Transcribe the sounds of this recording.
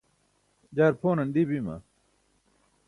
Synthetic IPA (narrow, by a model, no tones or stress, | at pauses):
d͡ʑaːɾpʰoːnɐnɖ̪ibimɐ̰